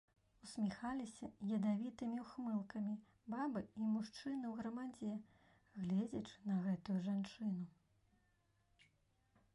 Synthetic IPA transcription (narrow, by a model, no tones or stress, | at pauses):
usʲmʲixalʲisʲɐjʲɐd̪avʲit̪ɨmʲiwxmɨlˠkɐmʲi | babɨimuʂt͡ʂɨnɨwɣɾɐmad͡zʲɛ | ɣlʲɛd͡zʲɐt͡ʂɨ̥nɐɣɛt̪ujuʐant͡ʂɨn̪u